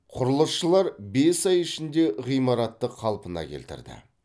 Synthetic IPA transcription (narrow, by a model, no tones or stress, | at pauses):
qʰʊɾəlˠəsʃəlˠɑɾbe̞sɑjɪʃɪnd̪e̞ʁijmɑɾɑt̪ːəqʰːɑlˠpənɑ̰kʲʰelt̪ɪ̰ɾd̪ɪ̰